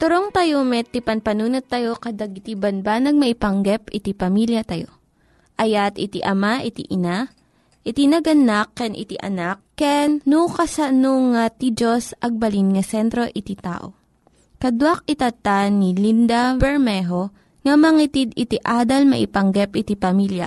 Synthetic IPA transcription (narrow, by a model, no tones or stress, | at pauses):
t̪ʊɾoŋt̪ɐjomɛt̪ipɐnpɐnuːnot̪ːɐjo̞kɐd̪ɐɡ̚ɪt̪ibɐnbanɐɡ̚mɐʔɪpɐŋɡɛpɪt̪ipɐmiljɐt̪ɐjo̞ | ʔɐjat̪ɪt̪iʔɐmaʔɪt̪ḭʔɪna | ʔɪt̪inɐɡɐnakːɛnʔɪ̰t̪ḭʔɐ̰nakːɛnːukɐsɐnoŋat̪id͡ʒosʔɐɡ̚bɐlinŋɐsɛnt̪ɾo̞ʔɪt̪it̪a̰ːʔo̞̰ | kɐd̪wak̚ɪt̪ɐt̪anilind̪ɐbɛɹmɛɦo̞ | ŋɐmɐŋit̪id̪ɪt̪iʔaːd̪ɐlmɐ̰ʔɪpɐŋɡɛpʔɪt̪ipɐmiljɐ̰